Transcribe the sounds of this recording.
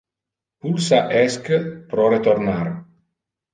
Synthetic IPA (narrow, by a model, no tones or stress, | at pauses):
pulsaʔɛskpɾɔɾet̪oɾnaɾ